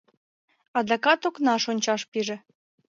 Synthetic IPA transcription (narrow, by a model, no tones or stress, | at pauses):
ɑd̪ɑkɑt̪oknɑʃonʲt͡ɕɑʃpiʒĕ